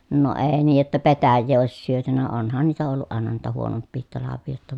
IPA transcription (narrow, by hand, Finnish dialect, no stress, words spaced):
no eˑi niːj jotːɑ petæjːeː oˑis syøtynæ onhɑn niːtæ olːuʔ ʔɑˑenɑ niːtæ huonopːiːhit tɑlɑʋːiː jotːɑ